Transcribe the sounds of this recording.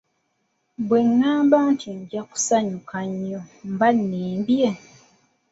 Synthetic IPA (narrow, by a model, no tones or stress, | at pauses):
bweŋːaːmbaːntʰiɲɟaku̥saɲukaɲːom̩banːeːmbje